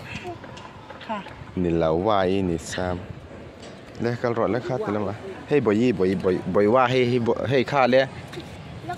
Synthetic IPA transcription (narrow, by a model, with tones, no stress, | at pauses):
ni˨la˨wwa˧˨i˦ni˨sa˧m | lɛ˦ka˦lɾɔ˨lɛ˦kʰa˥˧t̪i˨la˦ŋa˧˨he˦jbɔ˨ji˦bɔ˨jɔ˨jbɔ˨jwa˦˧ɦe˦˧jɔɦe˦˧jkʰa˥˧˨lɛ˦˨